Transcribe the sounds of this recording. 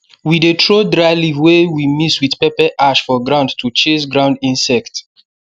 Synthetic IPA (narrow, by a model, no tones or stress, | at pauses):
widetʰɹodɹalivwewimiswiθpɛpɛʔaʃfɔɡɹãʊ̃ndtʰut͡ʃesɡɹãʊ̃ndĩnsɛkt